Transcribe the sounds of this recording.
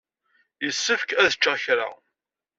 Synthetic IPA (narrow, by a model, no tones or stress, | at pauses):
jəsːəfkæðət͡ʃːæçɾa̰